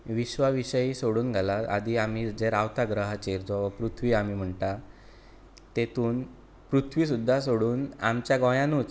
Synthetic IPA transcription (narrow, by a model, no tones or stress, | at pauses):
ʋiɕʋaʋiɕəjiːsoɽuːnɡʱalaa̰d̪iːam̤iːd͡zeɾaʋt̪aɡɾəɦat͡ɕeɾd͡zaʋəpɾut̪ʰʋiːamiːm̤əɳʈa | t̪et̪uːn | pɾut̪ʰʋiːs̬ud̪ʱːas̬oɽuːnamt͡ɕjaɡɔjãnuːt͡s